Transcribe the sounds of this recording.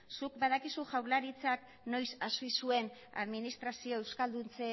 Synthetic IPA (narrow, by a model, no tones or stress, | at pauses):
suk̚baðakisuʝawɾlaɾit͡sak | no̞jsasoisue̞na̰ðminist̪ɾasio̞e̞wskald̪unt͡se